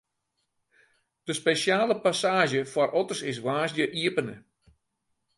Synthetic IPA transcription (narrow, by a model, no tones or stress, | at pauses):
d̥əspesjaːləpasaːʒəfɔrʔɔtərsɪs̬ʋaːsjəʔiəpənə